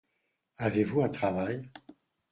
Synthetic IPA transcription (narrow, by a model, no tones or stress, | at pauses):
avevuɛ̃t̪χavaj